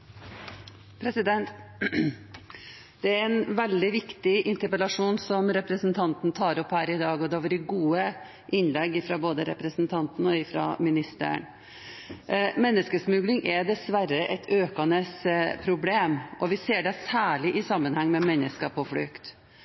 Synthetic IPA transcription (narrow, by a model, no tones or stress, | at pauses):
pʰɾɛsɪd̪ɛnt̪ | d̪̥ɛæɾɛnʋɛld̪ɪʋɪkt̪ɪʔɪnt̪əɾpəlɑʂuːnsɔmɾɛpɾəsn̩t̪ʰɑnt̪n̩t̪ʰɑːɾɔphæːɾɪd̪ɑːɡɔd̪ɛʋɑɾɪɡuːə | ʔɪnlɛɡːɪfɾɑboːd̪əɾɛ̰pɾəsnt̪ʰɑnt̪nɔɪfɾɑ̰mɪnɪst̪ə̰ɳ | mɛnːəskəsmʉɡlɪŋʔɛd̪ɛsʋæɾəʔɛt̪ʰøːkɑnəspʰɾʊbleːmʔɔʋɪseːɖɛsæːɭɪʔɪsɑmːənhɛŋːmɛmɛnːəskəpʰɔfɽʏkt̪